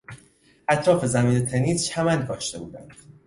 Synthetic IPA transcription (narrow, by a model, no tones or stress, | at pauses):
ʔæt̪ʰɾɒːfe̞zæmiːnet̪ʰeniːst͡ʃhæmænɡɒːʃt̪e̞̰bṵːd̪æ̰nd̪̥